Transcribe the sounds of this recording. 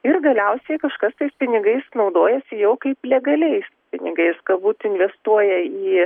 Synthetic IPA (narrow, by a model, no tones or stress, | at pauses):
ɪrɡɐlʲɛʊsʲɛɪkɐʃkɐst̪ɐɪspʲɪnʲɪɡɐɪsnɐʊd̪oːjɛsʲɪjɛʊkɐɪplʲɛɡɐlʲɛɪspʲɪnʲɪɡɐɪskɐbuːt̪ɪnʲʋʲɛst̪uɔjɛiː